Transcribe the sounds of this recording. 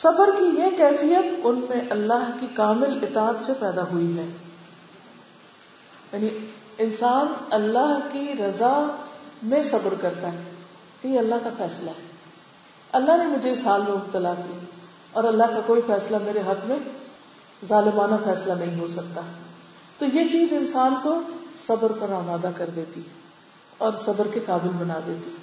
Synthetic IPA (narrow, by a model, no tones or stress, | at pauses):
sɐbəɾkijekɛːfijət̪ʊnmẽʔɐlːaɦkikaːmɪlɪt̪aːət̪sepɛːd̪aɦʊiɦɛː | jaːni | ɪnsaːnɐlːaɦkiɾɐza | mẽsɐbəɾkɐɾt̪aɦɛː | jeɐlːaɦkafɛːslaɦɛː | ɐlːaɦnemʊd͡ʒʱeɪsɦaːlmẽʊb̚t̪əlaːkia | ɔːɾɐlːaɦkakoːifɛːslameːɾeɦɐt̪ʰmẽ | zaːlɪmaːnafɛːslanɐɦĩɦosɐkt̪aɦɛ | t̪ojet͡ʃiːzɪnsaːnkosɐbəɾpɐɾaːmaːd̪akɐɾd̪eːt̪i | ɔːɾsɐbəɾkekaːbɪlbɐnaːd̪eːt̪i